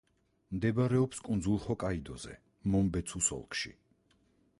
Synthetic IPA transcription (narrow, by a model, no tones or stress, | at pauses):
md̪ɛbaɾɛɔpskʼund̪zulˠχɔkʼaid̪ɔz̥ɛ̰ | mɔmbɛt̪sʰusɔ̰lˠkʰʼʃḭ